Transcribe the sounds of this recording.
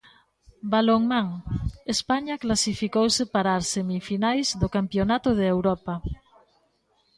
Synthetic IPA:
baloŋmãŋespaɲaklasifikowsepaɾasemifinajzðokampjonat̪oð̞eːwɾopa

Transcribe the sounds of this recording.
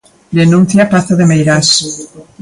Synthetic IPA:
d̪enũn̟θjapaθaðemejɾas

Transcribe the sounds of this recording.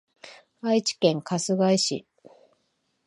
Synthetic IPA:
ait͡ɕi̥kẽ̞ŋkʰasɨɡaiɕḭ

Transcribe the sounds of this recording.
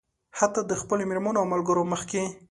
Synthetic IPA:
hat̪ad̪əxpəlomeɾmanoawmalɡəɾoməxke

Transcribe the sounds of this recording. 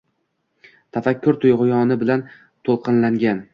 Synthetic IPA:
t̪ʰafakʲʰːʊɾt̪ʰʊjʁʊjɒnɪbɪlan | t̪ʰolˠqʰɨnlaŋɡʲan

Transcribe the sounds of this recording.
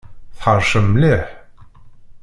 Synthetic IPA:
θħəɾˤʃəmːlɪħ

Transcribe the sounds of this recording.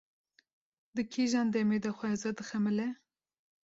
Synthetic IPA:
d̪ɨkʰiʒɑːnd̪ɛmed̪ɐxʷɛzɐd̪ɨxɛmɨlɛ

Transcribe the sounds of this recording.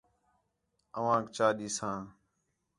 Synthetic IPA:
əʋãːkt͡ʃaːɗiːsãː

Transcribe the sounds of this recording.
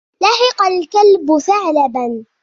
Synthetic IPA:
laħɪqɑlkalbʊsaʕlaban

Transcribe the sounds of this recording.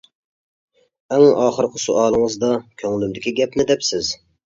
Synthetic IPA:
ɛŋɑːχəɾqʰəsuʔɑːlˠɨŋəzd̪ɑkʲʰøŋlymd̪ɪkʲʰiɡʲɛpnɪd̪ɛpsɪz

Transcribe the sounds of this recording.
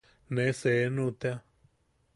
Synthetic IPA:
nẽseːnũt̪ja

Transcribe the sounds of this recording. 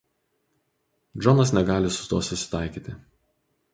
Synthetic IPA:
d͡ʒɔnɐsnʲɛɡɑːlʲɪsʊ̥t̪uɔsʊsʲɪ̥t̪ɑɪkʲiːt̪ʲɪ

